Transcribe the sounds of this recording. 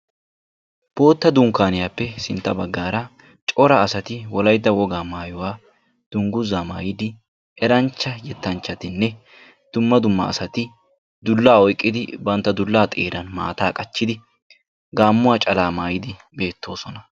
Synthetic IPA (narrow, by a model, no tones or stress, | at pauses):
b̥o̞ːt̪ːɐd̪ʊŋkaːnɪjaːpːɛsɪnt̪ːɐbɐɡːaːɾɐ | t͡ʃʼɔɾɐːsɐt̪ɪwɔlɐjd̪ːɐwɔɡaːmaːjʊwaː | d̪̥ʊŋɡʊzaːmaːjɪd̪ɪ | ɛɾɐnt͡ʃːɐjɛt̪ːɐnt͡ʃːɐt̪ɪnːɛ | d̪̥ʊmːɐd̪ʊmːɐ̰ːsɐt̪ɪ | d̪ʊlːaːɔjkʼːɪd̪ɪbɐnt̪ːɐd̪ʊlːaːt̪ʼeːɾɐnma̰ːt̪aːkʼɐt͡ʃːɪd̪ɪ | ɡaːmːʊwaːt͡ʃʼɐlaːmaːjɪd̪ɪ | be̞ːt̪ːo̞ːsɔnɐ